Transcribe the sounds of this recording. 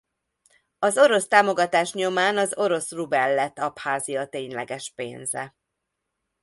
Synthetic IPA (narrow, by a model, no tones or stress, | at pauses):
ɒzo̞ɾo̞st̪aːmo̞ɡɒt̪aːʃɲo̞maːnɒzo̞ɾo̞srubɛlːɛt̪ːɒphaːziɒt̪eːɲlɛɡɛʃpḛːnzɛ̰